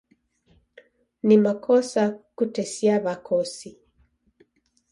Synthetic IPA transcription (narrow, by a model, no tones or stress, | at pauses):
nimakʰɔsakutɛsiaβakʰɔsi